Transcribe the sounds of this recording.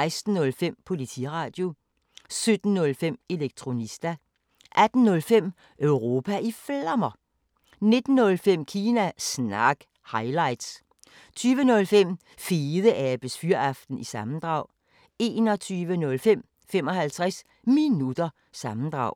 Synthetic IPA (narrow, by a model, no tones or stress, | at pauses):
ɪsd̥n̩ːɔ̽lfem̰pʰo̝lit͡sʰḭʁɑ̈ːd̥jo̝ | sød̥n̩ːɔ̽lfem̰e̝leɡ̥̚t͡sʰʁo̝nisd̥æ | ʔæd̥n̩ːɔ̽lfem̰ | ʔøʊʁo̝ːpʰæʔiflɑmɐ | ne̝d̥n̩ːɔ̽lfem̰kʰiːnæsnɑɡ̥ | hɑ̈ɪlɑ̈ɪd̥s | t͡sʰyːʋənɔ̽lfem̰ | fiːðˠəʔæb̥əsfyɐɑfd̥n̩isɑ̈mn̩d̥ʁɑ̈ʊ̰ | e̝̰ːnɒ̽t͡sʰyːʋənɔ̽lfem̰ | fem̰ɒ̽hælt͡sʰʁas | minud̥ɐ | sɑ̈mn̩d̥ʁɑ̈ʊ̰